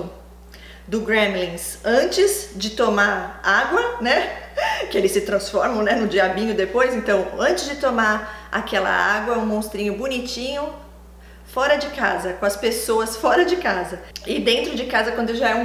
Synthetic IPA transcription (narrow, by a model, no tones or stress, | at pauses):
ʊ | d̪ʊɡɾẽmlĩsɐ̃nt͡ʃɪzd͡ʒɪt̪omaɾaɡwɐnɛkɪelɪsːɪt̪ɾɐ̃sfɔɾmɐ̃w̃nɛnʊd͡ʒiabĩɲʊd̪epojzẽnt̪ɐ̃w̃ɐ̃nt͡ʃɪzd͡ʒɪt̪omaɾa̰kɛlɐ̰aɡwɐɛũmõst̪ɾĩɲʊbʊnit͡ʃĩɲʊ | fɔɾɐd͡ʒɪkazɐkõɐspesoɐsfɔɾɐd͡ʒɪkazɐɪd̪ẽnt̪ɾʊd͡ʒɪkazɐkwɐ̃nd̪ʊʒaɛũ